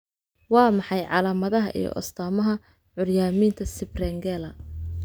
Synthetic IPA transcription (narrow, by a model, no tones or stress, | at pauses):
wɑːmɑħɑjʕɑlaːmɐðɐɦɐ̰ʔḭjɔ̰ʔɔ̰st̪ʰaːmɐɦɐ | ʕʊrjaːmiːnt̪ʰɐsɪbrɛŋɡɛːlɐ